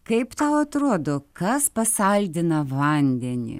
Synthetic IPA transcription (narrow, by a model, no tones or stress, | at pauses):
kɐɪpt̪ɐʊɐt̪ɾoɔːd̪oːkɐspɐsɐlʲd̪ʲɪnɐʋɐnʲd̪ʲɛnʲɪ̰